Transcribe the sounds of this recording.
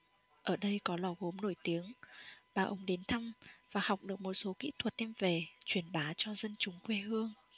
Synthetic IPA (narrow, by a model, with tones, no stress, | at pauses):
ʔəː˧˩ɗə˧jkɔ˨˦lɔ˨˩ɣo˨˦mno˧˩jt̪i˨˦əŋɓaː˨˩ʔə̰˨˦wŋ͡mɗe˨˦nt̪ʰa˧mvaː˨˩ha˨˩wk͡p̚ɗɨ˨˩ək̚mo˨˩t̚so˨˦kḭ˧˥t̪ʰwə˨˩t̚t̪ʰɛ˧mve˨˩t͡ɕwi˧˩ənɓaː˨˦t͡ɕɔ˧zə˧nt͡ɕʊ˨˦ŋ͡mkwe˧ɦɨ˧əŋ